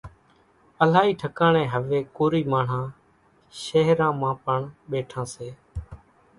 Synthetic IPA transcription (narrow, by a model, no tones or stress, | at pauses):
əlaːiːʈʰəkaːɳẽːɦəʋeːkoːɾiːmaːɳ̤ãː | ʃəɦɾãːmãːpəɳɓeːʈʰãːseː